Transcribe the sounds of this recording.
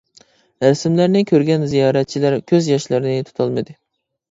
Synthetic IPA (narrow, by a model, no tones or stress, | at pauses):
ɾæsɪmlæɾnɪkʲʰøɾɡʲɛnzijɑːɾɛt̪̚t͡ʃʰilæɾkʲʰøzjɑʃlɨɾɪnɪt̪ʰu̥t̪ʰɑlˠmɨd̪ɨ